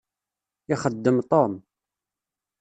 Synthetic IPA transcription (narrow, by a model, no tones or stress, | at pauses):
ɪχəd̪ːəmt̪ˤom